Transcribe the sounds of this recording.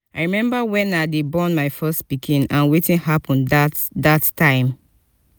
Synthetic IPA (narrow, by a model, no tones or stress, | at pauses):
aɪɹimɛ̃mbawɛ̃nadebɔ̃nmaɪfɛstpikʰĩnãnwetĩnhapʰɔ̃ndadattːãɪ̃m